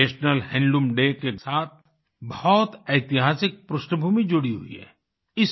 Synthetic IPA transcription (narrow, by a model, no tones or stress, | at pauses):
eːʃnəlhɛ̃ːɳɖumɖekesaːt̪̚ʰ | bɐɦɔt̪ɛɪt̪ɪɦaːsɪk̚pɾʊʃʈəbʱuːmid͡ʒʊɽiɦʊ̰ḭɦɛ̰ː | ɪs